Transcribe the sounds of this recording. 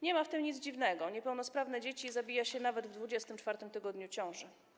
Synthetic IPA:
ɲɛmaft̪ɘmɲid̪zd͡ʑivnɛɡɔɲɛpɛwnɔspɾavnɛd͡ʑet͡ɕizabʲijaɕɛnavɛd̪vd̪vud͡ʑɛst̪ɘmt͡ʂfaɾt̪ɘmt̪ɘɡɔd̪ɲut͡ɕɔ̃w̃ʐɛ

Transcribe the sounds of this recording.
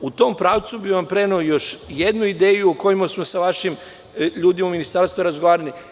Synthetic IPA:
ut̪o̞ːmpɾaːʋt̪subiʋampɾe̞neojo̞ʃje̞d̪nuid̪e̞ːjuoko̞jimasmosaʋaʃim | ʎuːd̪imauminist̪aɾst̪ʋuɾazɡoʋaːɾani

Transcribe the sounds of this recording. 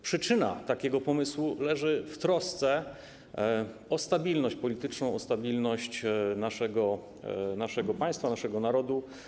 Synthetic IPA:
pʂɘt͡ʂɘna̰t̪akʲɛɡɔpɔmɘswulɛʐɘft̪ɾɔst̪sɛ | ɔst̪abʲilnɔɕt͡ɕpɔlʲit̪ɘt͡ʂnɔ̃w̃ɔst̪abʲilnɔɕt͡ɕnaʂɛɡɔ | naʂɛɡɔpaj̃st̪fanaʂɛɡɔnaɾɔd̪u

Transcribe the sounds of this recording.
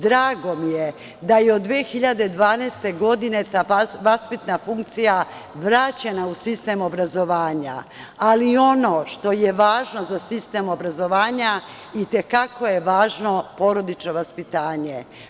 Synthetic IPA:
d̪ɾaːɡo̞mije | d̪ajeod̪ːʋeːxiʎad̪e̞d̪ʋaːnɛːst̪e̞ɡo̞d̪ine̞t̪aːʋaspit̪nafuŋkt̪sija | ʋɾaːt͡ɕenausist̪emobɾazo̞ʋaːɲa̰ː | lio̞no̞ʃt̪o̞jeʋaːʒno̞zasist̪e̞mo̞bɾazo̞ʋaːɲa | it̪e̞kako̞jeʋaːʒno̞po̞ɾo̞d̪it͡ʃno̞ʋaspit̪aːɲe

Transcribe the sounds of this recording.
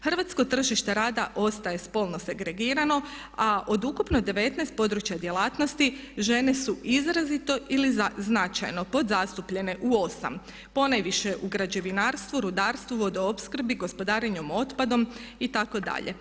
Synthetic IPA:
xr̩ʋat̪sko̞t̪r̩ʒiʃt̪e̞ɾaːd̪aʔo̞st̪aje̞spo̞lˠno̞se̞ɡɾe̞ɡiːɾano̞ | aʔo̞d̪ukupno̞d̪e̞ʋe̞t̪nɛjst̪̚po̞d̪ɾut͡ʃjad̪je̞laːt̪no̞st̪iʒe̞ne̞suʔizɾazit̪o̞ʔiliznat͡ʃa̰jno̞po̞d̪zast̪upʎe̞ne̞ʔuo̞sa̰m | po̞najʋiʃeʔuɡɾad͡ʑe̞ʋinaːɾst̪ʋuɾud̪aːɾst̪ʋuʋo̞d̪oopskr̩biɡo̞spo̞d̪aːɾeɲomo̞t̪pad̪o̞mit̪ako̞d̪a̰ʎe̞̰

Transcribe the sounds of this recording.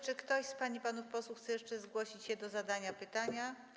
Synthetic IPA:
t͡ʂɘkt̪ɔɕspaɲipanufpɔswuxt̪sɛjɛʂt͡ʂɛzɡwɔɕit͡ɕɕɛd̪ɔzad̪aɲapɘt̪aɲa

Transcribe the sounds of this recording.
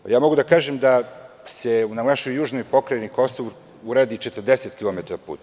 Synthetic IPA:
jaːmo̞ɡud̪akaːʒemd̪a | seunavaʃojːuːʒnojpo̞kɾajeniko̞soʋ | uɾaːd̪it͡ʃet̪ər̩d̪eset̪kilomet̪aɾpṵːt̪

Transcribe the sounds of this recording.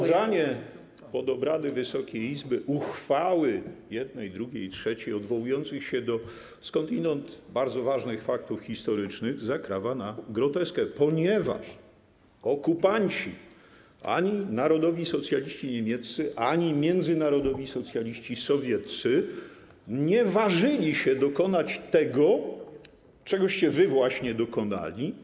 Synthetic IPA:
zaɲɛ | pɔd̪ɔbɾad̪ɘvɘsɔkʲejizbɘʔuxfawɘjɛd̪̚nɛjd̪ɾuɡʲejitʂɛt͡ɕejɔd̪vɔwujɔnt̪sɘxɕɛd̪ɔ | skɔnt̪inɛnt̪baɾd̪zɔvaʐnɘxfakt̪ufxʲist̪ɔɾɘt͡ʂnɘɣzakɾavanaɡɾɔt̪ɛskɛpɔɲɛva̰ʂ | ɔkupaɲt͡ɕḭ | a̰ɲinaɾɔd̪ɔvʲisɔt̪sʲjalʲiɕt͡ɕiɲemʲjɛt̪sɘʔaɲimʲjɛnd̪zɘnaɾɔd̪ɔvʲisɔt̪sʲjalʲiɕt͡ɕisɔvʲjɛt̪t̪sɘ | ɲɛvaʐɘlʲiɕɛd̪ɔkɔnat͡ɕt̪ɛɡɔ | t͡ʂɛɡɔɕt͡ɕɛvɘvwaɕɲɛd̪ɔkɔna̰lʲi

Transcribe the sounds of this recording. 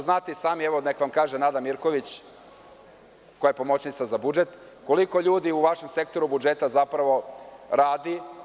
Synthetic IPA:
znaːt̪isaːmieʋo̞nekʋamkaːʒenad̪amiɾko̞ʋit͡ɕ | kojajepo̞mo̞t͡ɕnit̪sazabud͡ʒe̞t̪ | ko̞liko̞ʎuːd̪iuʋaʃe̞mse̞kt̪o̞ɾubud͡ʒe̞t̪azapɾaʋo̞ɾaːd̪i

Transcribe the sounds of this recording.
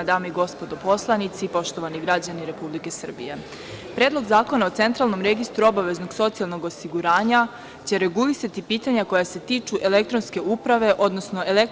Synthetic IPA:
d̪aːmeiɡo̞spo̞d̪opo̞slˠanit̪sipo̞ʃt̪o̞ʋaniɡɾad͡ʑaniɾe̞publike̞sr̩bḭje̞ | pɾeːd̪lˠo̞ɡzaːko̞nao̞t̪se̞nt̪ɾalˠno̞mɾe̞ɡist̪ɾuo̞baʋe̞zno̞ɡso̞t̪sijalˠnoɡo̞siɡuɾaːɲa | t͡ɕe̞ɾe̞ɡulisat̪ipiːt̪aɲako̞jase̞t̪iːt͡ʃuʔe̞le̞k̚t̪ɾo̞nske̞upɾaʋe̞ʔo̞d̪no̞sno̞ʔe̞lek

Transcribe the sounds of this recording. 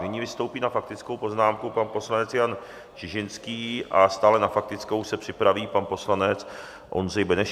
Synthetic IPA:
nɪɲivɪst̪o̞wpiːnafak̚t̪ɪt͡sko̞wpo̞znaːmkupanpo̞slanɛt͡sjan | t͡ʃɪʒɪnskiːʔast̪aːlɛnafak̚t̪ɪt͡sko̞wsɛpr̥ɪpɾaviːpanpo̞slanɛt͡s | ʔo̞̰nrɛjbɛnɛʃ

